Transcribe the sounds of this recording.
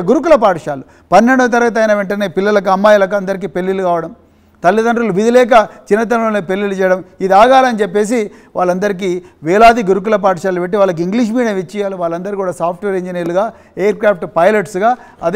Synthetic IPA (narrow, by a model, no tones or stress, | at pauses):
ɡuɾuk̬ulɐpaːʈʂaːlu | pɐnːe̞ɳɖut̪̬ɐɾɐɡɐt̪ɐjnɐʋeɳʈɐne̞ːpilːɐlɐk̬uɐmːaːjɐlɐk̬uɐnd̪ɐɾik̬iːpe̞lːilukaːʋɐɽɐm | t̪ɐlːid̪ɐɳɖɾuluʋid̪ilɛːk̬ɐt͡ʃinːɐt̪̬ɐloːneːpe̞lːilut͡ʃɛːjɐɽɐmid̪iaːɡaːlɐnit͡ʃepːe̞ːs̬i | ʋʔaːɭːɐnd̪ɐɾik̬iːʋɛːlaːd̪iɡuɾuk̬ulɐp̬aːʈʂaːlupeʈːiʋaːɭːlɐk̬uiŋɡliʃ̬miːɽiɐʋit͡ʃːijaːluʋaːɭːɐnd̪ɐɾikuːɽaːsaːp̚ʰʈʋe̞ːɾiɲd͡ʒiniːɾluɡaː | eːjɐɾkɾaːp̚ʰʈpɐjlɐʈsɡaː | ɐd̪